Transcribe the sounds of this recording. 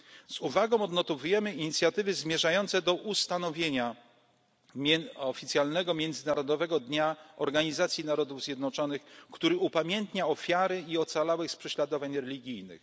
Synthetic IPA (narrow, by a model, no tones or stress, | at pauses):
z̥uvaɡɔ̃w̃ɔd̪nɔt̪ɔvujɛmɘiɲit̪sʲjat̪ɘvɘzmʲjɛʐajɔnt̪sɛd̪ɔʔust̪anɔvʲjeɲa | mʲɛɔfʲit̪sʲjalnɛɡɔmʲjɛnd̪zɘnaɾɔd̪ɔvɛɡɔd̪ɲaɔɾɡaɲizat̪sʲjinaɾɔd̪uvzʲjɛd̪nɔt͡ʂɔnɘxkt̪uɾɘupamʲjɛnt̪ɲaɔfʲjaɾɘiɔt̪salawɛxspʂɛɕlad̪ɔvaɲɾɛlʲiɡʲijnɘ̰x